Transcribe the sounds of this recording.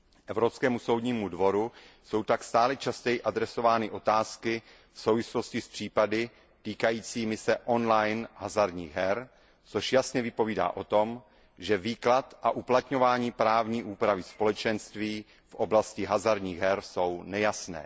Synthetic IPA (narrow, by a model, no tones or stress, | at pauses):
ʔɛvɾopskɛːmuso̞wdɲiːmudvo̞ɾuso̞wt̪akst̪aːlɛt͡ʃascɛjɪʔad̪ɾɛso̞vaːnɪʔo̞t̪aːskɪ | fsowvɪslo̞scɪspr̝̥iːpadɪ | t̪iːkajiːt͡siːmɪsɛʔo̞nlajnɦazaɾdɲḭːɣɦɛɾ | t͡so̞ʃjasɲɛvɪpo̞viːda̰ːʔo̞t̪o̞m | ʒɛviːklat̪ʔaʔuplat̪ɲo̞vaːɲiːpɾaːvɲiːʔuːpɾavɪspo̞lɛt͡ʃɛnst̪viː | fʔo̞blascɪɦazaɾdɲiːɣɦɛɾso̞wnɛjasnɛ̰ː